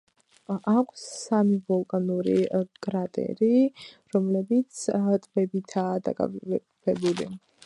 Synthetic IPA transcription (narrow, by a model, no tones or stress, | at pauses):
akʰsːamivɔlˠkʼanuɾikʼɾat̪ʼɛ̰ɾiɾɔmlɛbit̪sʰt̪ʼbɛbit̪ʰaːd̪a̰kʼa̰ | pʰɛbulḭ